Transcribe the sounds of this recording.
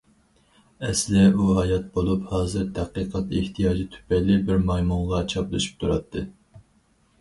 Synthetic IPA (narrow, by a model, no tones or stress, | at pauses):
ɛslɪuɦɑjɑt̪̚bolˠuphɑːzɨɾd̪ʰæqiːqʰɑt̪eht̪ʰijɑːd͡ʒit̪ʰy̥pɛjlɪbɪɾmɑjmuɴʁɑt͡ʃʰɑplˠɨʃy̥p̚t̪ʰuɾɑt̪ʰːɨ